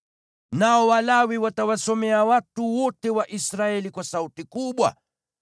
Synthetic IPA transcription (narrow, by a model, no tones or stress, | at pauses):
naɔwalawiwatawasɔmɛawatuwɔtɛwaʔisɾaɛlikwasautikuɓwa̰